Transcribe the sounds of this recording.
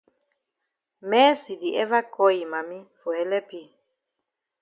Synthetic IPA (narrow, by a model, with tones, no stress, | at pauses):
mɛː˦si˨di˨ʔɛ˦va˦kɔ˦i˨ma˨mi˦fo˨ɛ˦lɛ˦pi˦˨